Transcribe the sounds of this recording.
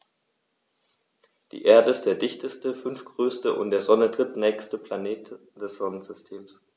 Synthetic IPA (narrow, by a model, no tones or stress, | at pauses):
d̥ḭːʔeːɐdəɪstd̥eːɐdɪçtəstəfʏnfɡ̥ʁøːstəʔʊ̰ntd̥eːɐzɔnədʁ̥ɪtnɛːçstəpl̥aneːt | d̥ɛsz̥ɔnənzʏstʰeːms